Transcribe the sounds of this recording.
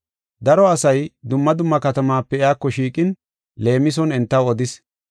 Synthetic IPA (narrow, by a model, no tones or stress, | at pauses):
d̪ɐɾɔɐsɐjd̪ʊmːɐd̪ʊmːɐkɐt̪ɐmaːpːɛɪaːkːɔʃiːkʼɪn | le̞ːmɪs̬ɔnɛnt̪ːɐwɔd̪ɪs